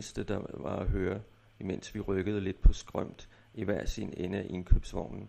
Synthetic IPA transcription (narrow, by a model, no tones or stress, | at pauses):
əsd̥əd̥ɑ̈ʋɑ̈æɦøːɐ | imen̰sʋiʁœɡ̥əð̞̩ˠəle̝d̥̚pʰɒ̽sɡ̥ʁœm̰d̥ | iʋæɐ̰sḛnenəæʔe̝nkʰøb̥sʋɑʊ̰nn̩